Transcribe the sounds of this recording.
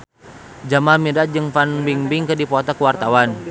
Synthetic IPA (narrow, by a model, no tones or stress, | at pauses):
d͡ʒamamidat̪̚d͡ʒɨŋfanbiŋbiŋkədipɔt̪akəwart̪awan